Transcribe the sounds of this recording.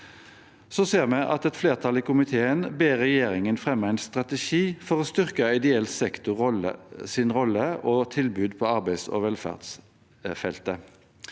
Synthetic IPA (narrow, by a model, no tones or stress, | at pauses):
soːseːʁmɛʔɑ̰t̪ɛt̪fleːʁt̪ʰɑliːkʊmɪt̪ʰeːənbeːʁːɛjeːʁɪŋənfʁɛməæɪnst̪ʁɑt̪ɛʃiːfɔʁoːst̪ʏʁkəɪd̪ɛɛlt̪sɛkt̪ʊ | sɪnʁɔlːəoːt̪ʰɪlbʉːd̪pʰɔːɑʁbæɪso̰ːʋɛlfæ̰ːʁd̪s | fɛlt̪ə